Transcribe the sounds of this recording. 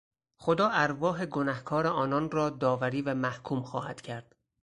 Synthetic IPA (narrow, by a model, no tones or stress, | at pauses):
xod̪ɒːʔæɾvɒːɦe̞ɡo̞næhkʰɒːɾeɒːnɒnrɒːd̪ɒːvæɾiːvæmæhkʰuːmxɒ̰ːhæ̰d̪̥cʰæɾd̪̥